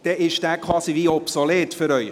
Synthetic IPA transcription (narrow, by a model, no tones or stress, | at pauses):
d̥ɛʔɪʃd̥æːkʰʋɑːsiviɔpsoleːtføɾœʏ